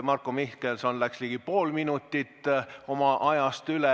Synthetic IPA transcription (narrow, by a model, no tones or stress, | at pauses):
mɑrkːˑomihkelsonlæksliːɡ̥ipo̞ːlminut̪ːit̪ːˑo̞mɑʔɑjɑst̪yle